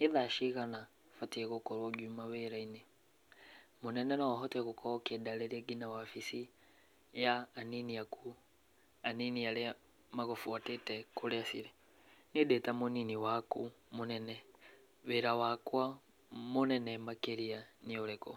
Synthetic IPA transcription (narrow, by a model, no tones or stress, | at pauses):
niðaʃiɣana | fatiɛɣokoɾwoɡumaweɾaine | monɛnɛnɔaɦɔtɛɣokɔkedaleɾeɡinawafisi | jaːniniaku | aniniale | maɣofuatetɛkoleasiɾe | nidetamoniniwakumonɛnɛ | weɾawakwa | monɛnɛmakeɾianiolɛkɔ